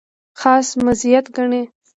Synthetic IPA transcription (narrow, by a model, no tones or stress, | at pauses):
xɑːsmazijat̪ɡaɳe